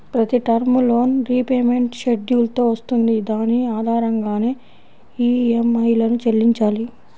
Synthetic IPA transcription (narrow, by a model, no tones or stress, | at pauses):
pɾɐt̪iʈɐɾmulo̞ːnɾiːpeːme̞ɳʈʃeɖjuːlt̪o̞ːʋɐst̪und̪id̪aːniaːd̪ʱaːɾɐŋɡaːne̞ː | iːemɐjlɐnut͡ʃelːiɲt͡ʃaːli